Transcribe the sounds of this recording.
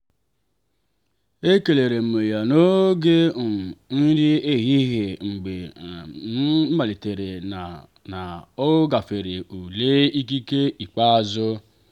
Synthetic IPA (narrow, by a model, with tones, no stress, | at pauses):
e˦ke˨le˨ɾe˨m̩˨me˨ja˨no˦ɡe˦˨ | n̩˦ɾɪ˦e˦ɣi˦ɦe˨ŋ͡m̩˨ɡ͡be˨˦ | ma˨le˨te˨ɾe˨ | na˨ʊ˦ɡa˨fe˨ɾe˨u˨le˦i˦k̬i˦ke˦i˨k͡pa˦a˨zʊ˦